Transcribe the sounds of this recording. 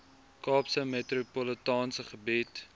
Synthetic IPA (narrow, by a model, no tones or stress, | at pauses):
kɑːpsəmetɾupɔlətɑːnsəχəbit